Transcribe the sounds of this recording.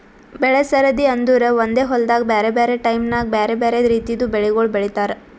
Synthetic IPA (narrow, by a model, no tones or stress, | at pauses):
bɛɭesɐɾɐd̪iɐnd̪uɾeʋond̪eːɦɔld̪aːɡbeːɾebeːɾeʈɐjmnaːɡ̚beːɾebeːɾeɾiːt̪ijd̪ubeɭiɡoɭbɛɭit̪aːɾe